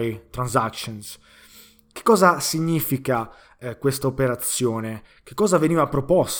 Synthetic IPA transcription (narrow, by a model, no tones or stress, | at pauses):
it̪ɾanzakʃɔns | k̟e̥kːɔːzasiɲːiːfika | kwest̪aopeɾat̪sːjɔːneke̥kːɔːzaveniːvapːɾɔpɔs